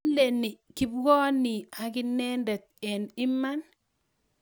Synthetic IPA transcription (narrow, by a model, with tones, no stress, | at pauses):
le˨nɪ˨kɪ˦bɡɔ˦nɪ˨a˨kɪ˦nɛ˦ndɛ˨t̪̚ɛ˨nɪ˦ma˦n